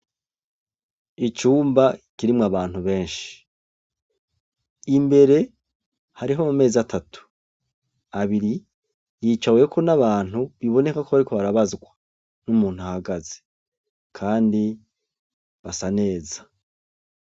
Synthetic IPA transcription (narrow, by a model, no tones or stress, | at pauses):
it͡ʃuːmbakiɾimŋaβaːn̥huβe̞ːnʃii̥ | imbe̞ɾe̞ | haɾiɦomume̞ːzatʰatu̥ | aβiɾi | jiːt͡ʃawe̞kʰo̞naβaːn̥huβiβo̞ne̞kakoβaɾiko̞βaɾaβazɡwa | numuːnhuahaɡaze̥ | kʰaːndi | βasane̞ːzḁ